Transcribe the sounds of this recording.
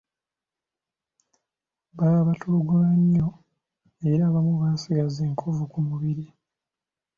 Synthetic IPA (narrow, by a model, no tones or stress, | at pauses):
baaβatʰuluɡulaɲːo | eɾaːβamuβaːsiɡazeːŋkʰovukumuβiɾi